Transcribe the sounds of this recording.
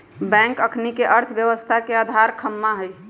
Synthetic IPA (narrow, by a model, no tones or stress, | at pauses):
bɛ̃ŋkəkʰnikeʔəɾt̪ʰbjəʋəst̪ʰakead̪ʱaɾkʰəmːaɦəj